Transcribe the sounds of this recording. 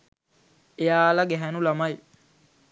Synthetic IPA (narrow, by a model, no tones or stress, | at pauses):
ejaːlɐɡɛɦɛnulɐmɐj